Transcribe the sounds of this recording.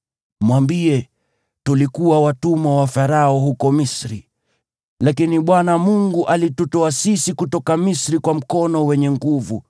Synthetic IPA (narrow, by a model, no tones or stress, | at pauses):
mwambiɛ | tulikuwawatumawafaɾaɔɦukɔmisɾi | lakiniɓwanamuŋɡuʔalitutɔasisikutɔkamisɾikwam̩kɔnɔwɛɲɛŋɡuvu